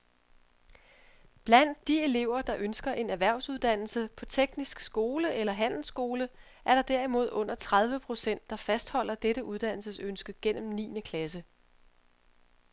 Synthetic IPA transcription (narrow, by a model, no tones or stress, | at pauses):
b̥læn̰d̥̚ːie̝le̝ʊ̰ɐd̥ɑ̈ʔønsɡ̥ɐʔe̝næʋæɐ̰ʊsuð̞ˠd̥æn̰l̩səpʰɒ̽t͡sʰeɡ̥nisɡ̥sɡ̥o̝ːləʔelɐɦæn̰l̩sɡ̥o̝ːlə | ʔæɐɾɑ̈d̥æɐimo̝ð̞ˠɔ̽n̰ɐt͡sʰʁað̞ˠʋəpʰʁo̝sen̰d̥ːɑ̈fæsd̥hɒ̽l̰ɐd̥eɾəʔuðˠd̥æn̰l̩səsønsɡ̥əɡ̥en̰m̩nḭːnəkʰlæs̬ə